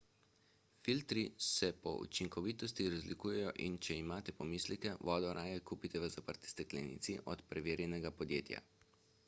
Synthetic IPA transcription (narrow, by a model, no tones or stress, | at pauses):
filt̪ɾisɛpɔ̰ṵt͡ʃiŋkɔʋit̪ɔst̪iɾazlikuːjɛjɔʔint͡ʃɛimaːt̪ɛpɔmislikɛʋɔːd̪ɔɾʔaːjɛkuːpit̪ɛʋəzapəɾt̪i̥st̪ɛklɛ̰nḭːt̪siʔɔt̪pɾɛʋeːɾjɛnɛɡapɔd̪jeːt̪ja̰